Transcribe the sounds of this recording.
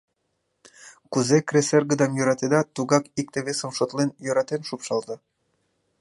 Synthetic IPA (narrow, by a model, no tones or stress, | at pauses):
kuzekreserɡəd̪ɑmjøɾɑt̪ed̪ɑt̪uɣɑkik̚t̪eβesə̆mʃot̪lenjøɾɑt̪enʃupʃɑlzɑ